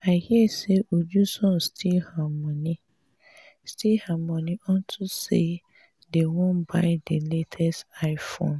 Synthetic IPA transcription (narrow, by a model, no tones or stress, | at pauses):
aɪhiɛseʔod͡ʒusɔ̃nstʰilhamɔ̃ni | stʰihamɔ̃nĩʔɔ̃ntʰuse | dewɔ̃nbaɪdeletʰɛstaɪfõ̰n